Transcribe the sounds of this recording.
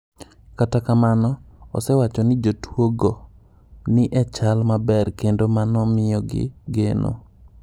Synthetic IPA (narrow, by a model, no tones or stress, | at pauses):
katakamanɔɔ̰sɛwat͡ʃɔnɪd͡ʒotwoɡo | nɪʔɛt͡ʃalmabɛrkendomanɔmɪjɔɡɪ̰ɡenʔo̰